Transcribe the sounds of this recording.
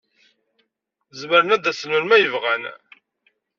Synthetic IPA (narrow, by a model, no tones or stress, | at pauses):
zməɾənæd̪æsənʊnmæjəvʁæn